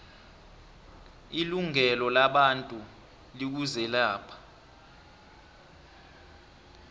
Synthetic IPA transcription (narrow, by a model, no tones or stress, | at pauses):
iluŋɛlɔlaɓantʼu | lik̬uzɛlaːpʰḁ